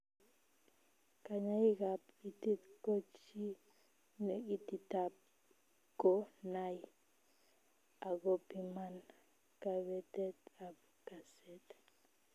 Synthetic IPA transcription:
ka˨ɲa˦i˦ka˨pi˨ti˦t̪ko˦t͡ʃi˦ | ne˨ɡi˦ti˨tap̚ | ɡ̥o˦na˦j | a˨ɡo˦pi˨ma˦n | ka˨βɛ˨t̪ɛ˦t̪a˨b | ka˨sɛ˦t̪

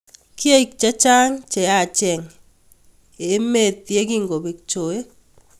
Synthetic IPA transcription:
ki˦a˦i˨k̚t͡ʃa˦t͡ʃa˦ŋt͡ʃe˨a˦˨t͡ʃɛ˨ŋ | e˨˦me˦˨t̪je˦ki˦ŋɡo˨bi˨k̚t͡ʃo˨e˦

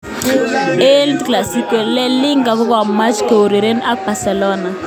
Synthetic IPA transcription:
e˦ldkla˨si˦ke˨lɛ˦lɪ˦ŋɡa˨kʊ˦kɔ˦˨ma˦t͡ʃke˨o˨ɾe˨ɾe˦na˦k̚k͡pa˨sɛ˨lɔ˦na˨

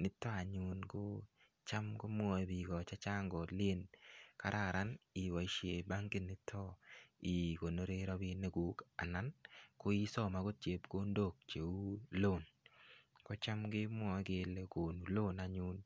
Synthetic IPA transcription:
nɪ˦tɔ˦a˨ɲu˦nkʊ˦ | t͡ʃa˦mɡo˦m˦ɔ˦e˨bi˨ɡɔ˨t͡ʃa˦t͡ʃa˦ŋɡɔ˨lɪ˦e˦nka˨ɾʔa˦˨ɾa˦nɪ˨wa˨i˨ʃje˨ba˦ŋɡɪ˦nɪ˦tʰːɔ˦ɪ˨ko˨no˦ɾe˦ɾɔ˦bɪ˦ne˦ɡu˨˦ka̰˨na˦nkʊ˦i˦sɔ˦ma˨ɡo˦t͡ʃe˨˦pɡo˦ndo˦˨k̚t͡ʃe˨u˦lo˦˨n | kɔ˦t͡ʃa˦mɡɪ˦mwɔ˦ɡe˦le˦ko˨nu˨lo˦na˨ɲu˦n

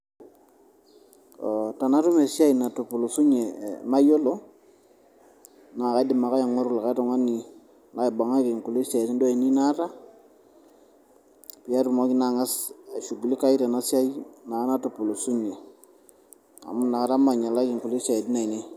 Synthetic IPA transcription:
o˨ta˨na˨˦tu˦me˨sa˦i˨na˨tu˨pu˨lo˨su˦ɲe˨ma˦jo˦lo˦ | na˨ka˨˦di˨ma˨ka˦a˨ŋa˦ɾu˦˨la˨ka˦to˨ŋa˦ni˨ | na˨˦i˨ba˨ŋa˦ke˨ŋku˨le˦sa˨ti˦ndo˦a˨i˨ni˦na˦ta˦ | pi˨a˦ɾu˨mo˦ki˦na˨ŋa˦sa˨ʃu˨ɡu˨li˦ka˦i˦ta˨na˦sja˦jna˨˦na˦tu˨pu˨lo˨su˦ɲe˨ | a̰˨mu˦na˨˦ɾa˦ma˨ɲa˨la˦ki˨ŋku˨le˦sa˨ti˦na˨i˨ni˦

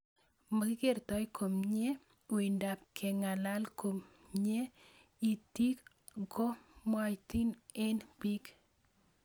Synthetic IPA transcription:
ma˨kɪ˦ke˦˨ɾtɔ˨jkʰo˨mɲe˦ | o˨i˨nda˨p̚kʰe˨ŋa˨la˦lko˨mɲe˦ | i˨ti˦k | ɡo˦ma˦ti˦ne˦nbi˦k

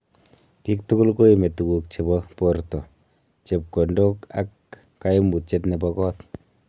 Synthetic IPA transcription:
pi˦k̚tu˦ku˦lko˦i˨me˨tu˨ku˨k̚t͡ʃe˨bɔ˦po˨ɾtɔ˨ | t͡ʃe˨p̚ko˨ndo˦ka̰˦kː | a˦ji˦mu˨t̚t͡ʃe˦t̬ne˨bɔ˧kɔ˦t

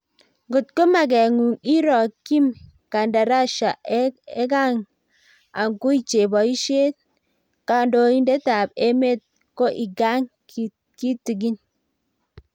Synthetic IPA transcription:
ŋɡu˨t̚ko˦ma˨ɡe˨ŋu˨ŋi˦ɾɔ˨ki˦m | ka˨nda˨ɾa˦ʃa˨ʔe˦e˦ɡa˦ŋ | a˨ŋku˦i˦t͡ʃe˨bɔ˨i˦ʃe˦t̚ | ka˨ndo˨i˦nde˦ta˨be˦me˦t̚ | ko˦ʔi˨ɡa˦ŋ˨ | ki˦ti˨ɡi˦n

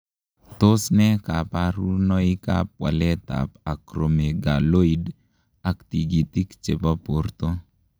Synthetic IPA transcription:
t̪o˦snɛ˦ka˨pa˦ɾu˦nɔ˦i˦ka̰˦p̚wa̰˨lɛ˦t̪a̰˨pa˨kɾo˨me˨ɡa˨lo˦i˦d | a˨kt̪i˨ɡi˨t̪i˦kt͡ʃe˨pa˦po˨rt̪o˦

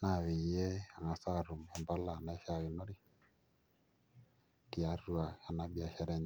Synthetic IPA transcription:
na˨βi˨jɛ˦a˨ŋa˨sa˦˨ɾu˨mɔ˨mba˦la˨na˦ʃa˦˨βi˨no˦ɾi˦ | ki˨a˨˦ɾu˦a˨a˨na˦bi˦a˨ʃɛ˦ɾɛ˦ɲ˨

